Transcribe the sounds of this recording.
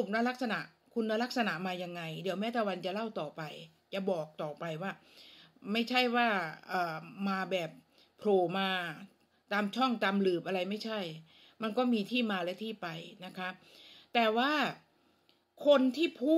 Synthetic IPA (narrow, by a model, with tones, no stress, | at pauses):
m̚na˦˥la˦˥k̚sa˧na˨˩ʔ | kʰu˧nːa˧la˦˥k̚sa˧na˨˩ʔmaː˧ja˧ŋːa˧jdi˨˩˦wmɛː˦˥t̪ɛː˨˩wa˧nt͡ɕa˨˩la˥˩wt̪ɔː˨˩pa˧j | t͡ɕa˨˩bɔː˨˩k̚t̪ɔː˨˩pa˧jwaː˥˩ma˥˩jt͡ɕʰa˥˩jwaː˥˩ʔɤː˨˩maː˧bɛː˨˩p̚ʰː | ɾoː˨˩maː˧ | t̪aː˧mt͡ɕʰɔ˥˩ŋt̪aː˧mlɯː˨˩p̚ʔa˧ɾa˧jma˥˩jt͡ɕʰa˥˩j | ma˧nkɔː˥˩miː˧t̪ʰiː˥˩maː˧lɛː˦˥t̪ʰiː˥˩pa˧jna˦˥kʰa˦˥p̚t̪ɛː˨˩waː˥˩ | kʰo˧nt̪ʰiː˥˩pʰuː˥˩